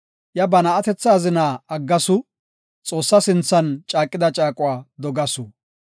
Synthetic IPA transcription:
jɐbɐnɐːt̪ɛt͡sːaːzɪnaːɐɡːɐsʊ | t͡sʼo̞ːsːɐsɪnt͡sːɐnt͡ʃʼaːkʼːɪd̪ɐt͡ʃʼaːkʼʊwaːd̪ɔɡɐsʊ

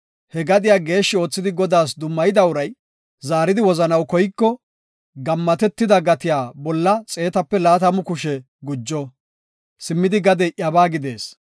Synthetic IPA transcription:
hɛɡɐd̪ɪjaːɡe̞ːʃːɪo̞ːt͡sːɪd̪ɪɡɔd̪aːsd̪ʊmːɐjɪd̪ɐʊɾɐj | zaːɾɪd̪ɪwɔzɐnɐwkɔjɪkːɔ | ɡɐmːɐt̪ɛt̪ːɪd̪ɐɡɐt̪ɪjaːbɔlːɐt͡sʼe̞ːt̪ɐpːɛlaːt̪ɐmʊkʊʃɛ | ɡʊd͡ʒːɔ | sɪmːɪd̪ɪɡɐd̪ɛʔjɐbaːɡɪd̪e̞̰ːs

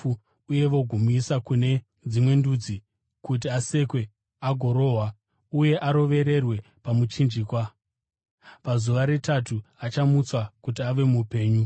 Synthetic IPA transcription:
uje̞ʋo̞ɡʱomuisakune̞ | d͡zimwe̞ndud͡zi | kut̬iase̞kwe̞ | aɡʱo̞ɾo̞ɦwa | uje̞ʔaɾo̞ʋe̞ɾe̞rwe̞ | pamut͡ʃind͡ʒiːkwa | pazuʋaɾe̞tatuat͡ʃamut͡swakut̬iaʋe̞mupe̞ːɲu

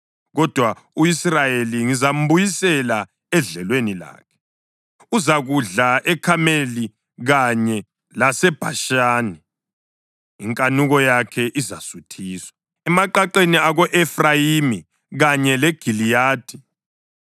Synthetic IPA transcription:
ɣɔd̥ʱwauisrajeliŋizam̩bujisɛla | ɛɮɛlwenila̰ːkʰɛ̥ | uzaɣuɮaʔɛkʰameli | ɣaɲɛ | lasɛb̥ʱa̰ʃaːni | iŋkʼanuɣɔjakʰɛʔizasutʰiːswḁ | ɛmaǃaǃeniaɣɔʔɛfrajimi | ɣaɲɛlɛɡ̥ʱilijaːd̥ʱi

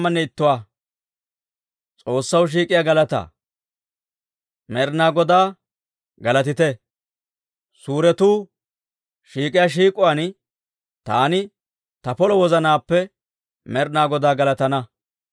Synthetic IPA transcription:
mːɐnːɛɪt̪ːʊwaː | t͡sʼo̞ːsːɐwʃ̬iːkʼɪjaːɡɐlɐt̪a̰ː | mɛɾnaːɡɔd̪aː | ɡɐlɐt̪ɪt̪ɛ | suːɾɛt̪uː | ʃiːkʼɪjaːʃ̬iːkʼʊwan | t̪aːnɪ | t̪ɐpɔlɔwɔzɐnaːpːɛ | mɛɾnaːɡɔd̪aːɡɐlɐt̪ɐnɐ

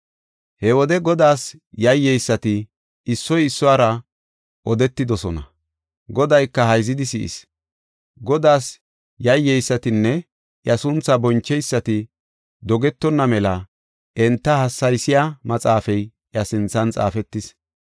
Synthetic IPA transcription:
hɛwɔd̪ɛɡɔd̪aːsjɐjːɛjsːɐt̪ɪː | sːɔjɪsːɔwaːɾɐ | ʔɔd̪ɛt̪ːɪd̪ɔsɔnɐ | ɡɔd̪ɐjkːɐhɐjzɪd̪ɪsɪ̰ʔɪ̰s | ɡɔd̪aːs | jɐjːɛjsːɐt̪ɪnːɛ | ʔjɐsʊnt͡sːɐbɔnt͡ʃːɛjsːɐt̪ɪ | d̪ɔɡɛt̪ːɔnːɐmɛlɐ | ʔɛnt̪ːɐhɐsːɐjsɪjamɐt͡sʼaːfɛj | ʔjɐsɪnt͡sːɐnt͡sʼa̰ːfɛt̪ːɪs

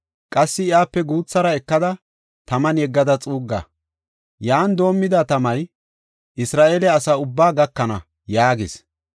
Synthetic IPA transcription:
kʼɐsːɪɪjaːpːɛɡuːt͡sːɐɾɐɛkːɐd̪ɐ | t̪ɐmɐnjɛɡːɐd̪ɐt͡sʼuːɡːɐ̰ | jaːnd̪o̞ːmːɪd̪ɐt̪ɐmɐj | ʔɪsɾaːʔeːlɛɐsɐʊbːaːɡɐkːɐnɐ̰ | jaːɡɪs

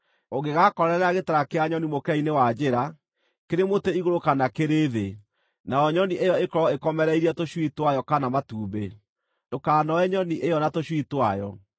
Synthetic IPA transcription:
oɣeɣakɔɾɛɾaɣetaɾakeaɲɔnimokɛinewad͡ʑeɾa | keɾemoteiɣoɾokanakeɾeːðe | naɔɲɔniʔejɔekɔɾɔekɔmɛɾɛiɾiatoɕwitwajɔkanamatuːbe | dokaːnɔɛɲɔniʔejɔnatoɕwitwajɔ

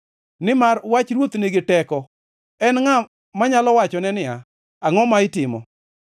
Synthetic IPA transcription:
nɪmarwat͡ʃɾwot̪niɡɪtɛkɔ | ɛnŋa | maɲalɔwat͡ʃɔnɛnɪa | aŋɔmaɪtɪmɔ̰

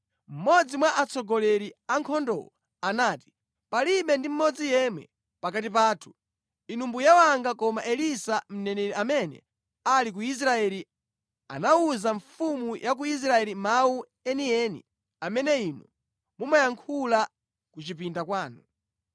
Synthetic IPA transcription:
m̩mɔd͡zimwaʔat͡sɔɡɔlɛɾiaŋkʰɔndɔ̰wɔ | anaːti̥ | paliɓɛndim̩mɔd͡zijɛmwɛ̰ | pakatip̬aːtʰu̥ | inumbujawaŋɡakɔmaʔɛlisam̩nɛnɛɾiamɛnɛ̰ | alik̬uis̬ɾaɛli | a̰nauzaɱfumujʔak̬uis̬ɾaɛlimau | ɛniɛnḭ | amɛnɛinṵ | mumajaŋkʰula | kut͡ʃipindakwaːnu

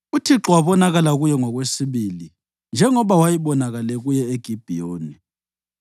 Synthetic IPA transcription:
utʰiǁɔwaβɔnaɣalaɣujɛŋɔɣwesiβili | nd͡ʒʱɛŋɔβawajiβɔnaɣalɛɣujɛeɡ̥ʱib̥ʱijoːni

